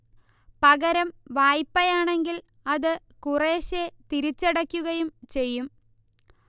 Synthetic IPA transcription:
pɐɣɐɾɐmʋaːjpːɐjaːɳe̞ŋɡil | ɐðɨ | kureːɕet̪iɾit͡ɕːeɽɐkʲːuɣɐjumt͡ɕe̞jːum

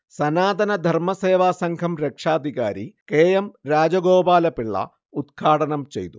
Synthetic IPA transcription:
sɐnaːd̪ɐnɐd̪ʱɐɾmɐseːʋaːsɐŋɡʰʱɐmɾekʂaːd̪ʱikaːɾḭkeːjɐmɾaːd͡ʒɐɡoːbaːlɐpiɭːɐ̰ | ud̪ɡʰʱaːʈɐnɐmt͡ʃḛjt̪u

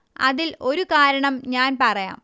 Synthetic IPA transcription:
ɐ̰ðilo̞ɾukaːɾɐɳɐmɲaːnpɐrɐja̰ːm

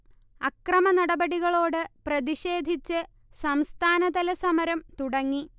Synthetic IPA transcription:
ɐkrɐmɐnɐɽɐbɐɽiɣɐɭo̞ːɽɨprɐðiɕe̞ːd̪ʱit͡ɕːɨ | sɐmst̪ʰaːnɐd̪ɐlɐsɐmɐɾɐmt̪uɽɐŋːi

